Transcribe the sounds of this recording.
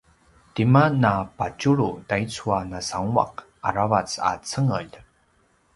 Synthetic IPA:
timanapat͡ʃuɾutait͡suanasaŋua̰qʔa̰ɾavat͡sa̰t͡səŋəʎ

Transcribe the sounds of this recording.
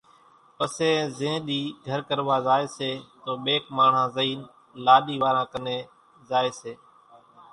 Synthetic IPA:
pəsẽːzẽːɗiːɡʱəɾkəɾʋaːzaːeːseːt̪oːɓeːkmaːɳ̤ãːzəiːn | laːɗiːʋaːɾãːkəneː | zaːeːseː

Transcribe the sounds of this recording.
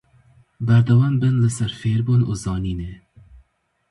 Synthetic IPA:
bæɾd̪ɐwɑːmbɨnlɨsæɾfeːɾbuːnṵːzɑːniːne

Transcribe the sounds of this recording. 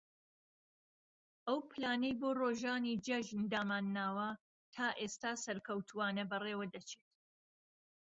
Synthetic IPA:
ʔɐwpɨlaːnɐjboːroːʒaːnid͡ʒɐʒnd̪aːmaːnːaːwɐ | t̪ʰaːʔeːst̪aːsɐɾkʰɐwt̪ʰuwaːnɐbɐreːwɐd̪ɐt͡ʃʰeːt̪

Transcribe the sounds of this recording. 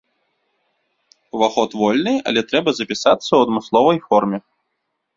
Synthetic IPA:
vaxɔt̪vɔlʲnɨɐ̰lʲɛt̪ɾɛbɐzɐpʲisat̪sːɐwɐd̪mɨslˠɔvɐjfɔrmʲɛ

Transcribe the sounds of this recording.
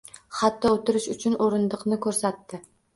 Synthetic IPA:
χat̪ːɒot̪ɪɾɪʃʊt͡ʃʰʊnʔoɾɪnd̪ɨqnɪkʲʰɵɾsat̪ːɪ

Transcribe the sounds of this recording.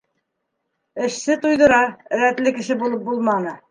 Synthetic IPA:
ɘ̆ʃsɘt̪ujðɤ̆ɾɑɾæt̪lɘkɘ̆ʃɘbulˠɤp̚bulˠmɑnɤ

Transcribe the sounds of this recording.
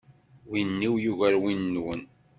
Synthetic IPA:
winːiwjuʝæɾwinːwən

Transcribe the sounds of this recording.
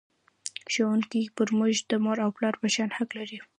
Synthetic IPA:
ʃawunkipəɾmʊʒd̪əmɑɾawplɑɾpaʃɑnhaklaɾi

